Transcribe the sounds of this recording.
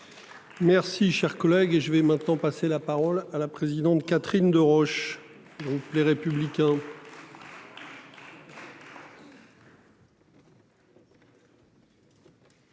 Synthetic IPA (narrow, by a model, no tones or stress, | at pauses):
mɛʁsiʃɛʁkɔlɛɡeʒəvɛmɛ̃t̪nɑ̃paselapaʁɔlalapχezid̪ɑ̃t̪kat̪χind̪əʁɔʃ | ɡʁupleʁepyblikʲɛ̃